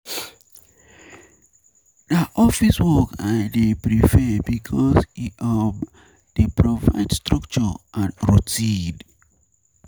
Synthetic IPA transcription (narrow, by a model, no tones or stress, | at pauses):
daʔɔfiswɔkaɪdepɹifɛbikʰɔsiɔb | d̥epɹova̰ɪdstɹɔkt͡ʃɔʔãnɹotʰĩn